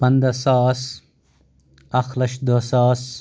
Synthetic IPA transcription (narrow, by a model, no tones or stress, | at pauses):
pɐnd̪ɐsaːs | ɐxlɐʃd̪osaːs